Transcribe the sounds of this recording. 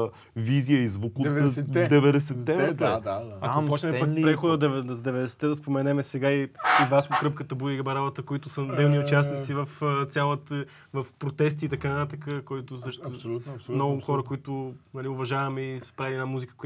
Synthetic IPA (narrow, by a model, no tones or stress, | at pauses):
vizijəizvukud̪ɛvɛd̪ɛsɛt̪ːɛvɾɛt̪ɐkopɔt͡ʃnɛmɛakpɾɛxod̪əd̪ɛvzd̪ɛvɛd̪ɛsɛ̥t̪ːɛd̪ɐspomɛnɛmɛsɛɡaiivaskʊkɾɤpkət̪əbujəiɡɐbɐɾalˠɐt̪əkoit̪ʊsənd̪ɛvniʊt͡ʃasnit̪sivɐft̪sʲjalˠət̪ə | vəfpɾot̪ɛst̪iːt̪ɐkanɐt̪at̪əkəkoit̪ʊsəʃt̪mnɔɡʊxɔɾəkoit̪ʊnɐlʲiʊvɐʒavɐmɛisɛ̥pɾailiɛnamuzikə̥kʊ